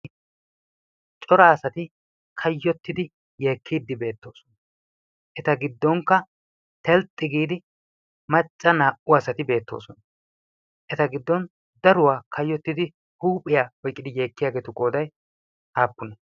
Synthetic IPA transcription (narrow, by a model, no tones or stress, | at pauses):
t͡ʃʼɔɾaːɐsɐt̪ɪ | kʰɐjːɔt̪ːɪd̪ɪ | je̞ːkʰːiːd̪ːɪbe̞ːt̪ːo̞ːsɔ̥nɐ | ʔɛt̪ɐɡɪd̪ːɔŋkːɐ | t̪ɛlt̪ʼːɪɡiːd̪ɪ | mɐt͡ʃʼːɐnaːʔʊɐsɐt̪ɪbe̞ːt̪ːo̞̰ːsɔnɐ | ʔɛt̪ɐɡɪd̪ːɔn | d̪ɐɾʊwaːkʰɐjːɔt̪ːɪd̪ɪ | huːpʼɪjaːwɔjkʼːɪd̪ɪje̞ːkːɪjaːɡe̞ːt̪ʊkʼo̞ːd̪ɐj | haːpːʊnɐ